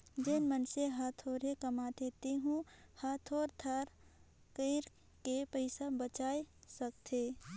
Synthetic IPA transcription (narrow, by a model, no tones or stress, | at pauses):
d͡ʒenmənseɦaːt̪ʰoːɾekəmad̪eːt̪iɦũhaːt̪ʰoːɾt̪ʰaɾ | kəɪɾ | kepəɪsabət͡ʃaːesəkt̪ʰeː